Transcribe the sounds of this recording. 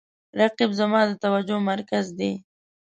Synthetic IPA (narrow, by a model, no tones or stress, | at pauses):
ɾaqɪbzamɑd̪ət̪awad͡ʒomaɾkazd̪e